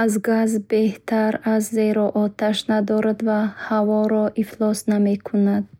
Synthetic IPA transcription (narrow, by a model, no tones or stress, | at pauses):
azɡazbe̞ht̪ʰaɾazːeɾɔʔɔt̪ʰaʃnad̪ɔɾad̪vahavɔɾɔʔiflɔsnamekʰunad̪̥